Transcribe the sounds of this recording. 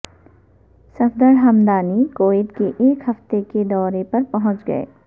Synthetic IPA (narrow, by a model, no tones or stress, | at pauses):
sɐfd̪əɾɦɐmd̪aːnikoːeːʈ̪keʔeːkɦɐft̪eked̪ɔːɾepɐɾpɐɦʊ̃t͡ʃɡɐ̰ḛː